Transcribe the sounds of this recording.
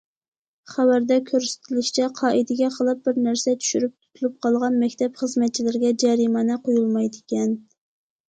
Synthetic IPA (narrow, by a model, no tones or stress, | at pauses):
χæwæɾd̪ɛkʲʰøɾsɪ̥t̪ʰɪlɪʃt͡ʃʰɛqʰɑːʔid̪ɪɡʲɛqʰəlˠɨp̚bɪɾnæɾsɛt͡ʃʰy̥ʃyɾyp̚t̪ʰu̥t̪ʰulˠup̚qʰɑlˠʁɑnmɛkʲt̪ʰɛpχəzmɛt̪̚t͡ʃʰilɪɾɪɡʲɛd͡ʒɛɾimɑnɨqʰojulˠmɑjd̪ɪkʲɛn